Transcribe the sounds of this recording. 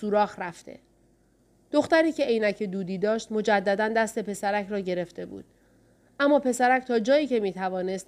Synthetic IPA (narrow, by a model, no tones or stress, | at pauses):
suːɾɒːxɾæft̪ḛ | d̪̥oxt̪æɾiːcʰe̞ejnæcʰed̪uːd̪iːd̪ɒːʃt̪mo̞d͡ʒæd̪ːæd̪ænd̪æst̪e̞pe̞sæɾæcʰɾɒːɟe̞ɾe̞ft̪e̞bṵːd̪̥̚ | ʔæmːɒːpe̞sæɾæcʰt̪ʰɒːd͡ʒɒːjiːcemiːt̪ʰævɒːne̞st̪